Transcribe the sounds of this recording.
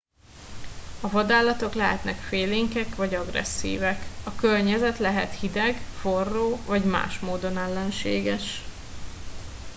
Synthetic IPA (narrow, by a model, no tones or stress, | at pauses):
ɒvɒd̪aːlɒt̪o̞klɛɦɛt̪nɛkfeːleːŋkɛkvɒɟɒɡrɛ̰sːḭːvɛkɒkørɲɛzɛt̪lɛɦɛt̪hid̪ɛɡfo̞rːoːvɒɟma̰ːʃmoːd̪o̞nɛlːɛnʃḛːɡɛʃ